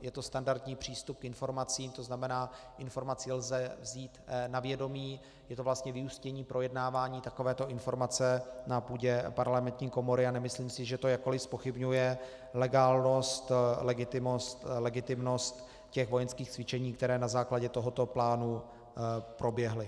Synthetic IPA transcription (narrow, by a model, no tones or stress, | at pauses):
jɛt̪o̞st̪andaɾt̪ɲiːpr̝̥iːst̪up̚kɪnfo̞ɾmat͡siːmt̪o̞znamɛnaː | ʔɪnfo̞ɾmat͡sɪlzɛvziːt̪navjɛdo̞miː | jɛt̪ovlast̪ɲɛvɪuscɛɲiːpɾʔo̞jɛdnaːvaːɲiːt̪ako̞vɛːt̪o̞ʔɪnfo̞ɾmat͡sɛnapuːɟɛpaɾlamɛnt̪ɲiːko̞mo̞ɾɪanɛmɪsliːmsɪʒɛt̪o̞jako̞lɪfspo̞xɪbɲujɛ | lɛɡaːlno̞st̪lɛɡɪt̪ɪmost̪lɛɡɪt̪ɪmno̞st̪ | cɛxvo̞jɛnskiːxt͡svɪt͡ʃɛɲiːkt̪ɛɾɛːnazaːklaɟɛt̪o̞ɦo̞t̪o̞plaːnu | pɾo̞bjɛɦlɪ